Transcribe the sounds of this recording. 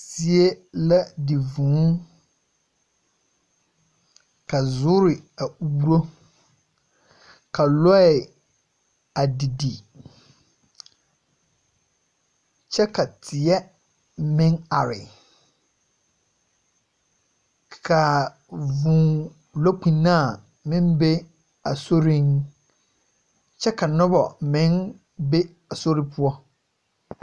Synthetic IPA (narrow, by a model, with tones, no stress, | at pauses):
si˦e˦la˦di˨vũː˨˦ | kʰa˨zʊ˦ɾɪ˨a˨u˦u˦ɾo˦ | kʰa˨lɔ˦ɛ˨ | a˨di˨di˨ | t͡ʃʰɛ˦kʰa˨tʰɪ˨ɛ˦ | mɪ̃˦na˨ɾɪ̰˨ | kʰa˨ | vũ˨ | lo˦kʰĩ˨nã˦˨ | mɪ̃˦m˦be˦ | a˨so˦ɾĩ˦n | t͡ɕʰɛ˦kʰa˨nʊ̃˦bɔ˨mɪ̃˦n | be˦ | a˨so˦ɾi˦pʰʊ˦ɔ˦